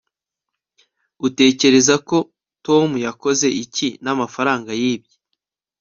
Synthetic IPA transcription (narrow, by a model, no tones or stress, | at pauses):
ute̞ːce̞ɾe̞zako̞ | to̞mujako̞ze̞ʔicinamafaɾaːŋɡajiːb̚ɟe